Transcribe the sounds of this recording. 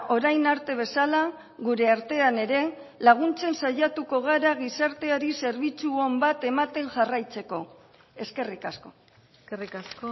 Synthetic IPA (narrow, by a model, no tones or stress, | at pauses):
o̞ɾajnaɾt̪e̞β̞e̞sala | ɣuɾe̞aɾt̪e̞ane̞ɾe̞ | laɣ̞unt͡se̞nsaʝat̪uko̞ɣ̞aɾaɣisaɾt̪e̞aɾise̞ɾβit͡suombat̪e̞mat̪e̞ŋʝarajt͡se̞ko̞ | e̞ske̞rikasko̞ | rikasko